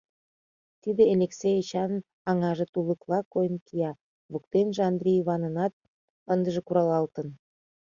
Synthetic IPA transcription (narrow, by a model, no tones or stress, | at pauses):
t̪id̪eelʲeksejet͡ɕɑn | ɑŋɑʒĕt̪uləklˠɑkojənkijɑ | βuk̚t̪enʒeɑnd̪rʲijiβɑnənɑt̪̚ | ənd̪əʒĕkuɾɑlɑlt̪ən